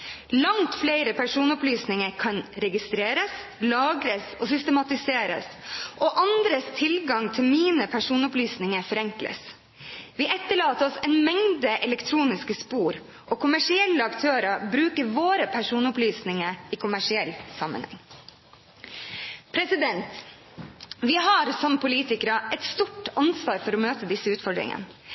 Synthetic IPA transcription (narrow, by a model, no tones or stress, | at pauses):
lɑŋt̪fleɪɾəpʰæʂuːnʊplyːsnɪŋəɾkʰɑnɾɛɡɪst̪ɾeːɾəslɑːɡɾəsoːsʏst̪əmɑt̪ɪseːɾə̰sʔoːʔɑnd̪ɾəst̪ʰɪlɡɑŋt̪ʰɪlmiːnəpʰæʂuːnʊplyːsnɪŋəɾfɔɾɛŋklə̰s | ʋiːʔɛt̪ːəɭɑːt̪əɔsɛnmɛŋd̪əʔɛlɛkt̪ʰɾuːnɪskəspuːɾ | ʔɔːkʰʊmæʂɪɛlːəɑkt̪ʰøːɾɑbɾʉːkəɾʋoːɾəpʰæʂuːnʊplyːsnɪŋəikʰʊmæʂɪɛlːsɑmə̰nhɛ̰ŋː | pʰɾɛsɪd̪ɛnt̪ | ʋɪɦɑɾsɔmpʰʊliːt̪ɪkəɾəʔɛt̪st̪uʈɑnsʋɑːɾfɔɾɔmøːt̪əd̪ɪsːəʉːt̪fɔɖɾɪ̰ŋə̰n